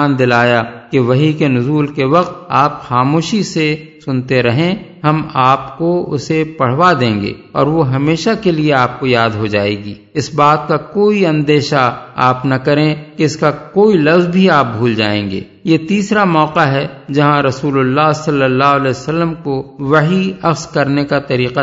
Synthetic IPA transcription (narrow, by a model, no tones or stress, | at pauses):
aːnd̪ɪlaːjakeʋɐɦikenʊzuːlkeʋɐq̚t̪aːpxaːmoːʃisesʊnt̪eɾɐɦẽɦɐmaːpkoʊ̰sepɐɽ̤ʋad̪ẽːŋɡḛːɔ̰ːɾʋoɦɐmeːʃakelieaːp̚kojaːd̪ɦod͡ʒaːeːɡiː | ɪsbaːt̪̚kakoːiɐ̃nd̪eːʃaaːpnɐkɐɾẽkeɪskakoːilɐfzbʱiaːp̚bʱuːld͡ʒa̰ːḛ̃ːŋɡḛː | jet̪iːsɾamɔːqaɦɛd͡ʒɐɦãɾɐsuːlʊlːaːɦsɐlːəlːaːɦʊəlɛːsəlːəmkoʋɐɦiɐxskɐɾnekat̪ɐɾiːqa